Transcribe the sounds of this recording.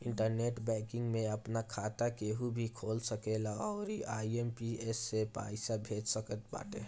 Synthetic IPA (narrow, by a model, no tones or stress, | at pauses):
ɪɳʈəɾneʈbɛ̃kɪ̃ŋɡmẽəpnakʰat̪akeɦubʱikʰolsəkelaɔːʊɾiʔaiempiesːepa̰ːɪsabʱed͡ʒsəkət̪̚ba̰ːʈe